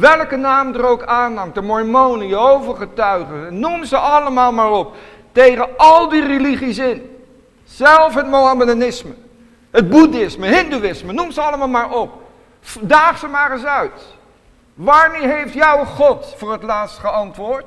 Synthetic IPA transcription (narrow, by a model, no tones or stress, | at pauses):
ʋɛlˠkənaːmdərowkaːnɑmdəmɔɹmownəjəowvəɹχətœɥχənnumzəʔɑləmaːlˠmaːrɔp̚ | tejχənɑlˠdireliχisɪn | z̥ɛlˠfɦətmowambəlanɪsmə | ɦəd̚budɪsməɦɪnduɪsmənumzəɑlˠəmaːlˠmaːɹɔp̚ | daːχsəmaːrəzœɥt | ʋaːɹmeːɦejftjɔwχɔtfʊːɹɦətlaːtstχəɑntʋʊːɹt